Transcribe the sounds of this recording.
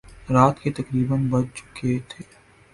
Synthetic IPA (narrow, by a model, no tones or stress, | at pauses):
ɾaːt̪ket̪ɐkɾiːbənbɐt͡ʃt͡ʃʊ̥ket̪ʰeː